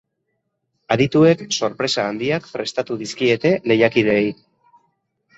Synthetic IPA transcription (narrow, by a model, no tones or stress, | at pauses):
aðit̪ue̞kso̞ɾpɾe̞saːnd̪iakfɾe̞st̪at̪uðiskie̞t̪e̞le̞jakið̞e̞j